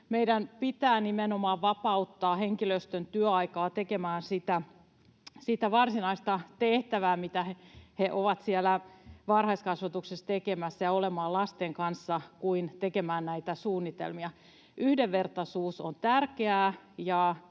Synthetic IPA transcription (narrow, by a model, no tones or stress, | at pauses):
meidænpit̪æːnimenomɑːʋʋɑpɑut̪ːɑːheŋkiløst̪ønt̪yøɑikɑːt̪ekemæːnsit̪æ | sit̪æʋɑrsinɑist̪ɑt̪eht̪æʋæːmit̪æheheʔoʋɑt̪sielːˑæʋɑrhɑiskɑsʋɑt̪uksest̪ekemæsːæjɑolemɑːlɑst̪eŋkɑnsːɑkuint̪ekemæːnnæit̪æsuːnːit̪ḛlmiɑ | ʔyhdeʋʋert̪ɑsuːsont̪ærkeæː | jɑ